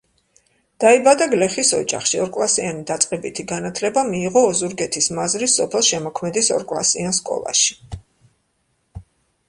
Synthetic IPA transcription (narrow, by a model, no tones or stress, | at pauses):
d̪̥aibad̪aɡlɛχisɔ̰d͡ʒa̰χʃiɔɾkʼlˠasianid̪at̪sʼqʼɛbit̪ʰiɡanat̪ʰlɛbamiːʁɔːzuɾɡɛt̪ʰismazɾisɔpʰɛlˠʃɛmɔkʰmɛd̪isɔ̰ɾkʼlˠa̰sianskʼɔ̰lˠa̰ʃi̥